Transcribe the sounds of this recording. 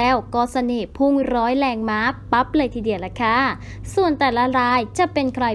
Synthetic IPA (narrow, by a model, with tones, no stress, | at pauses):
ɛː˦˥˩wkɔː˧˩sa˧neː˨˩pʰu˥˩ŋɾɔː˦˥jlɛː˧ŋmaː˦˥pa˦˥p̚lɤː˧jt̪ʰiː˧˩di˨˩əwla˧˩kʰaː˧˥ | su˨˩ənt̪ɛː˨˩la˦˥ɾaː˦˧˥jt͡ɕa˨˩pe˧nkʰɾa˧